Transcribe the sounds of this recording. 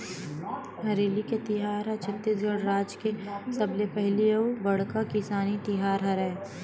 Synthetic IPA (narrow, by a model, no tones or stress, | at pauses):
ɦɐɾeːliket̪ɪɦaːɾɐt͡ʃʰɐt̪ːiːs̬ɡəɽɾaːd͡ʒkesɐblepɛɦliəubɐɽkakɪsaːnit̪ɪɦaːɾɦɐɾɛ̃ː